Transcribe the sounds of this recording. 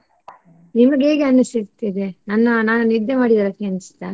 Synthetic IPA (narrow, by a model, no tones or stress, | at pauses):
nimɐɡe̞ːɡeɐnːisit̪ːid̪enɐnːɐnaːnunid̪ːemaːɽid̪ɐɾɐkːeɐnːisi̥t̪ːa̰ːn